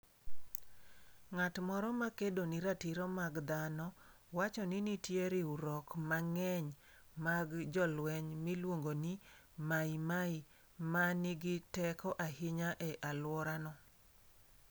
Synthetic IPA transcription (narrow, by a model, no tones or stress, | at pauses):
ŋatmɔɾɔmakedoniɾatiɾɔmaɡd̪anɔ | wat͡ʃɔnɪnitjeɾɪuɾɔkmaŋɛɲ | maɡd͡ʒɔlwɛɲmilwoŋɡoni | maimai | manɪɡɪtɛkɔʔahɪɲaʔɛʔalwɔɾanɔ